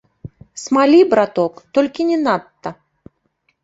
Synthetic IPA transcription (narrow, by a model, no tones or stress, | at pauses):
smalʲibɾat̪ɔkt̪ɔlʲkʲinʲɛnat̪ːɐ